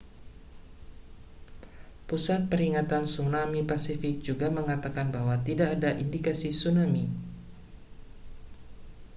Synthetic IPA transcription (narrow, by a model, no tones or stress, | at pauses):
pusat̪̚pəɾiŋat̪ansunamipasifɪk̚d͡ʒuɡaməŋat̪akanbaɦwat̪idaʔːdaʔindikasisunami